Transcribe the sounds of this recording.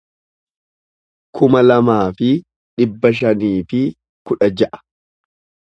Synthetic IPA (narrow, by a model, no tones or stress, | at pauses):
kʰʊmɐlɐmaːfɪ | ᶑɪbːɐʃ̬ɐniːfɪ | kʊᶑɐd͡ʒɐʔɐ̥